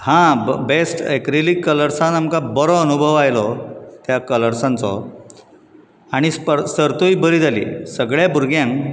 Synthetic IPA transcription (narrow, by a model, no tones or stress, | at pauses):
hãbesʈekɾiliːkːələɾsãnamkabəɾɔənubʱəʋajlɔt̪jakələɾsãnt͡sɔ̰ | aɽ̃ispəɾsəɾt̪oiːbəɾiːd͡zʱalḭːsəɡɭjabuɾɡjãŋk